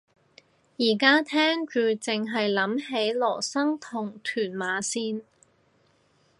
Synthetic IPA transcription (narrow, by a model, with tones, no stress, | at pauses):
jiː˨˩kaː˥t̪ʰɛː˥ŋt͡ʃyː˨t͡sɪ˨ŋɦɐ˨jlɐ˨˥mɦe˨˥jlɔː˨˩sɐ˥ŋt̪ʰʊ˨˩ŋt̪ʰyː˨˩nmaː˨˧˥siː˥n